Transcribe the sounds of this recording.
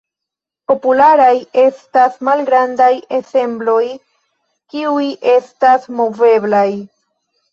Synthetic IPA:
po̞pulaɾaje̞stasmalɡɾandaje̞se̞mblo̞j | kiujʔe̞stasmo̞ve̞blaj

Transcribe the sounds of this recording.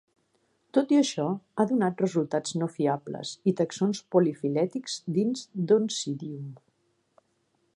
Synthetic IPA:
t̪ot̪iəʃɔaðunat̪rəzulˠt̪aznofiablə̰zit̪əksonspolifilɛt̪ikz̥d̪inzd̪onsiðium

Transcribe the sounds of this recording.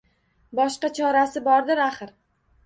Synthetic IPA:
bɒʃqɑt͡ʃʰɒɾasɪbɒɾd̪ɪɾaχɨɾ

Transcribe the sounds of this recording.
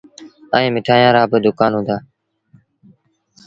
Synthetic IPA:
əĩːmɪʈʰaːjãːɾaːbɪd̪ʊkaːnɦʊ̃ːnd̪aː

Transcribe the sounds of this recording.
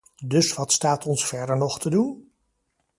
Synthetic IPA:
dɵsʋɑtstaːtʰɔnsfɛɹdəɹnɔχtʰədun

